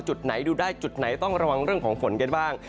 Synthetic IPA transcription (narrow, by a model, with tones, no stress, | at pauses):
t͡ɕu˨˩t̪̚na˩˦jduː˧daː˥˩jt͡ɕu˨˩t̪̚na˩˦jt̪ɔ˥˩ŋɾa˧wa˧ŋɾɯ˥˩əŋkʰɔː˩˦ŋfo˩˦nka˧nbaː˥˩ŋ